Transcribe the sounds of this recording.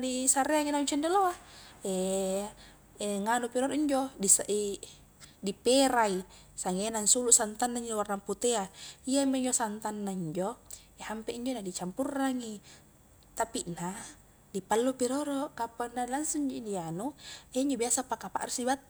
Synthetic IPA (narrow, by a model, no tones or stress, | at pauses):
disaɾeaŋinauɲt͡ʃɛndeloae | ŋanupiɾoɾɔʔiɲd͡ʒodisaʔi | dipeɾai | saŋenansuluʔsant̪anːaiɲd͡ʒowarnaŋput̪eaiameɲd͡ʒosant̪anːaiɲd͡ʒo | ehampeʔiɲd͡ʒonadit͡ʃampurːaŋi | t̪apiʔna | dipalːupiɾoɾɔkapanːailaŋsuɲd͡ʒoidianueiɲd͡ʒobiasapakapa̰ʔrisibat̪